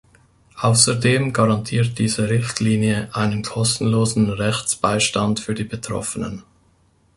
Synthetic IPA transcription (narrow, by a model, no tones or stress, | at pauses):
ʔaʊsədeːmɡaʁɑntʰiːɐt̚d̥iːzəʁɪçtliːnjəʔaɪnənkʰɔstn̩loːzn̩ʁɛçt͡sb̥aɪʃtantfyːɐdiːbətʁ̥ɔ̰fənə̰n